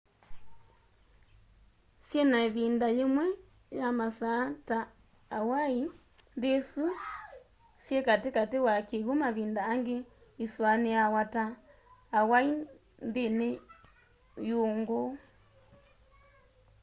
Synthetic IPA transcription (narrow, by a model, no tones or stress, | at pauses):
sjɛnaβindajemwɛ | jamasataː | wai | ndesu | sjɛkatekatewakeɣumaβindaːŋɡe | iswaneawataː | wai | ndene | joŋɡo